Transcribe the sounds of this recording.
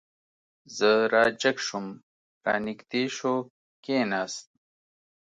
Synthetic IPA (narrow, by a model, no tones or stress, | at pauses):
zəɾaːd͡ʑɐkʂum | ɾa̰ːnikt̪iːʂo | keːnaːst̪̚